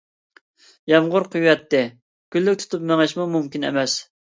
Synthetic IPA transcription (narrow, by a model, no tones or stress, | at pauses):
jɛmʁʊɾqʰujːɛt̪ːɪ | kʲylːyk̚ʲt̪ʰu̥t̪ʰup̚mɛŋɪʃmumumkʲinɛ̰mɛs